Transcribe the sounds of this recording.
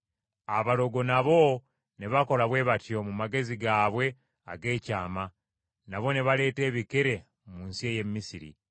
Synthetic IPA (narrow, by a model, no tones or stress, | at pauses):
aβalo̞ɡo̞naβo̞ | ne̞βako̞laβwe̞ːβatjo̞mumaɡe̞ziɡaːβwe̞ | a̰ɡe̞ːcaːma | naβo̞ne̞βale̞ːte̞ːβikeɾe̞ | muːnsieːje̞mːisiɾḭ